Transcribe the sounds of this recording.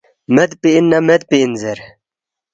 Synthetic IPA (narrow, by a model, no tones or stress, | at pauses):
med̪piinːɐmed̪̚piːnzeɾ